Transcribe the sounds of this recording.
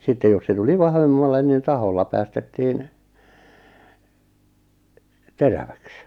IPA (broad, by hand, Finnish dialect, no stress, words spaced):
sitːej jos se tuli ʋɑhʋemːɑlːen nin tɑholːɑ pæːstetːiːn teræʋæks